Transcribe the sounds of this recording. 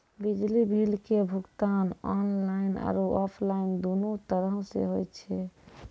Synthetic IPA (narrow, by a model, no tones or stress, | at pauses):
bid͡ʒlibʱilkebʱukt̪anɔnlaina̰ɾoɔpʰlaind̪onot̪əɾəɦsḛɦojt͡ʃʰɛ